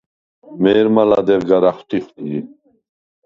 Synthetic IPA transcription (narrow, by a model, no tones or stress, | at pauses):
mɛːɾmalad̪ɛvɡaɾaχt̪ʰiχt̪i